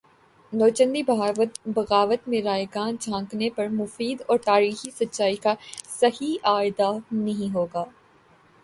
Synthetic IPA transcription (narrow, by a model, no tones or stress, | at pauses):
nɔːt͡ʃə̃nd̪ibbɐɣaːʋət̪mẽɾaːjɡaːnd͡ʒʰʱãːŋknepɐɾmʊfiːd̪ɔːɾt̪aːɾiːxisɐtːʃaːikasɐhiaːɪd̪anɐɦĩɦoːɡaː